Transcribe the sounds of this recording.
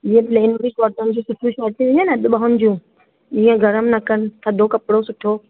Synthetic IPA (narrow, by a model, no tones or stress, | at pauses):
d͡ʑĩːẽpleːnɾiʃɔːɾt̪ənɪ̆d͡ʑũsʊʈʰũʃaːɾt̪ĩʋɪ̃ɲaneɗ̪ɪɓaɦʊnɪ̆d͡ʑũː | d͡ʑĩːə̃ɡʱɐɾəmnɐkənɪ̆t̪ʰɐd̪ʱokɐpɽosʊʈʰoː